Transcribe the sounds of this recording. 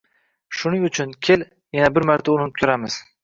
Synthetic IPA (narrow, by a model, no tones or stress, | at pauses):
ʃʊnɪŋʊt͡ʃʰʊnkʲʰel | janabɪɾmaɾt̪ʰaʊlˠɪnɪp̚t̪ʰʊɾamɪz̥